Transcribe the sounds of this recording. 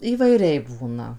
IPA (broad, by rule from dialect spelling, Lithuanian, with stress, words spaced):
iːʋɐɪˈrʲɛɪ ˈbuːnɐ